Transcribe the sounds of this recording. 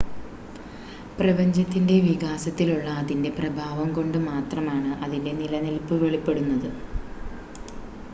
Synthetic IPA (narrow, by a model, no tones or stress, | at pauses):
prɐbɐɲd͡ʑɐt̪ːinde̞ʋiɣaːsɐt̪ːiluɭːɐːðinde̞prɐbʱaːʋɐmko̞ɳɖɨmaːt̪rɐmaːɳɨʔɐðinde̞nilɐnelpːɨʋe̞ɭipːe̞ɽunːɐðɨ